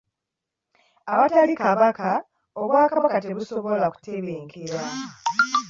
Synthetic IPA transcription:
aβatalikaβaka | oβwaːkaβakate̞βuso̞βo̞laku̥teβiːŋkʰeɾa

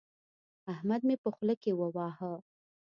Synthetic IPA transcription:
ahmad̪̚mepəxləkewəwɑɦə

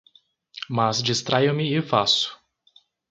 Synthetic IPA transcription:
mazd͡ʒist̪ɾajʊmɪɪfasʊ̥

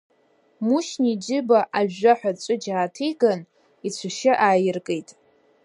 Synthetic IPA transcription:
muʃnid͡ʒɪbaʔaʒaħʷᶣat͡ʃʷʼɨd͡ʒaːtʰijɡan | it͡ɕʷʰaʃɪʔaːjɪrkʼejtʼ

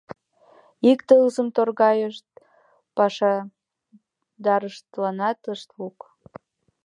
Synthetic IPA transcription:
ikt̪əlzəmt̪orɣɑjəʃt̪̚ | pɑʃɑ | d̪ɑɾəʃt̪lɑnɑt̪əʃt̪luk

